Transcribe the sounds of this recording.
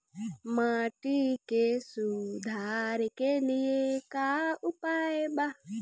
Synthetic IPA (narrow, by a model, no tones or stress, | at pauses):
maːʈikesud̪ʱaːɾkelijekaʊpaːjba